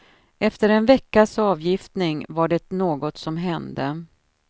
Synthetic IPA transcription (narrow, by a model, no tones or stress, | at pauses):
ʔɛft̪əɾɛnvɛkːaʂɑːvjɪft̪nɪŋvaɖɛnoːɡɔt̪sɔmɦɛnd̪ə